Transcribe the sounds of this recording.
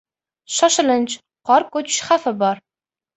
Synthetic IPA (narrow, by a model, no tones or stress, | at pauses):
ʃɒʃɪlɪnt͡ʃ | qɒɾkɵt͡ʃʃχafɪbɒɾ